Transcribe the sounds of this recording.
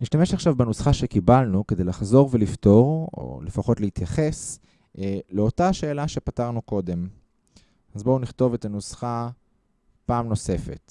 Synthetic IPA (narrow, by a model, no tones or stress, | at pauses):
niʃtame̞ʃaχʃavbenusχaʃe̞kibalnuke̞d̪ejlaχzo̞ʁve̞lifto̞ʁo̰lefaχo̞tlehitjaχe̞s | leo̞taʃe̞ːlaʃe̞pataʁnuko̞de̞m | azbouniχto̞ve̞tanusχa | paːmno̞se̞fe̞̰t